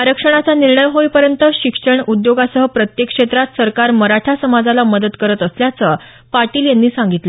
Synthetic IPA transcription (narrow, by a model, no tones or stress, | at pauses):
aɾəkʂəɳ̃at͡saniɾɳəjɦojpəɾjənt̪əɕikʂəɳud̪joɡasəɦəpɾət̪jekʂet̪ɾat̪səɾkaɾməɾaʈʰasəmad͡zalaməd̪ət̪kəɾət̪əsljat͡sə | paɾʈiːljanːiːsaŋɡit̪lə